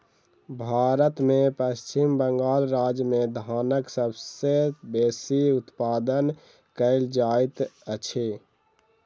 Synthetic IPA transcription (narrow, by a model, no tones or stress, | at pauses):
bʱaːɾət̪mẽpəst͡ʃimbəŋɡaːlɾaːd͡ʒmẽd̪ʱaːnəksəbsebeːsiʊt̪paːd̪ən | kəɪld͡ʒaːit̪ət͡ʃʰe